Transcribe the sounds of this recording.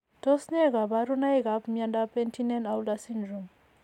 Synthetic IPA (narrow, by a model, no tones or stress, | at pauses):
tosɲeɡabaɾunajɡapmjandapentʰinenawdasindɾɔm